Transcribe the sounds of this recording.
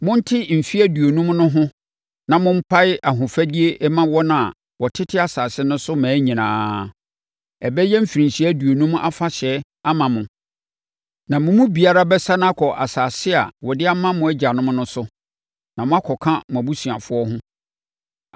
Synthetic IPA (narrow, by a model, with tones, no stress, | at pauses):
mʊ̃˦n̩˦tʰɪ˦m̩˨fi˦æ˦du˨o˨nũ˦mnʊ̃˦ɦʊ̃˦ | nã˨mʊ̃˦m̩˦pʰa˦ɪ˦a˨ɦʊ̃˨fæ˦di˦e˦ʔɛ˦mã˦wɔ˦nã̰˦˨ | wɔ˨tʰɪ˦tʰɪ˦a˨saː˨sɪ˦nʊ̃˦sʊ˦mæ̃ː˨˦ɲĩ˨nã̰ː˨˦ | ɛ˨bɛ˦jɛ˦m̩˦fi˨ɾĩ˨ɕi˦æ˦du˨o˨nũ˦m˦a̰˦fa˦ɕɛ˨˦ | a˦mã˨mʊ̃˨ | nã˨mʊ̃˨mũ˦bi˨a˦ɾa˦bɛ˦sa˦ñ˦a˦kʰɔ˨ʔa̰˨saː˨sɪ˦a̰˨wɔ˨dɪ˦a˦mã˦mʊ̃˨˦ɛ˦d͡ʑa˨nʊ̃˦m˦nʊ̃˦sʊ˦ | nã˨mʊ̃˦a˦kʰɔ˨kʰã˦mʊ̃˨æ˨bu˦sũ˨a˨fʊ˦ɔ˦ɦʊ̃˦